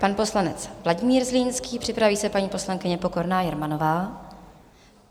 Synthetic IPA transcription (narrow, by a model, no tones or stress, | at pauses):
panpo̞slanɛt͡svlaɟɪmiːɾzliːnskiːpr̥ɪpɾaviːsɛpaɲiːpo̞slaŋkɪɲɛpo̞ko̞ɾnaːjɛɾmano̞vaː